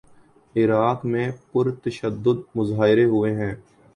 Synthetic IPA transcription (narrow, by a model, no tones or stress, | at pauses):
ɪɾaːt̪mẽːpʊɾt̪əʃəd̪ːʊd̪mʊzaːɪɾeɦʊeɦɛ̃ː